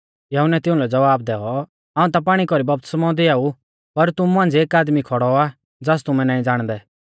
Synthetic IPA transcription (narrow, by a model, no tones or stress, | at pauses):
jɐɦʊnɛt̪ɪʊ̃lɛd͡zɐʋaːb̚d̪ɛːɔ | ãːũt̪̬ap̬aːɽ̃ikɔɾibɐp̚t̪ə̥smɔ̃ːd̪iaːu | pɐɾt̪ʊmuɦãːnd͡zeːkaːd̪mikʰɔɽɔa | d͡zaːs̬t̪ʊmɛ̃naːĩd͡zaːɽ̃d̪ɛ